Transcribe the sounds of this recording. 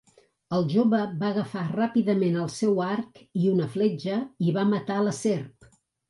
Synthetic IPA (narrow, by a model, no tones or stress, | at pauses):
əlˠʒoβəβaəɣəfarapiðəmenəlˠsɛwaɾkiunəflɛd͡ʒəiβamət̪aləserp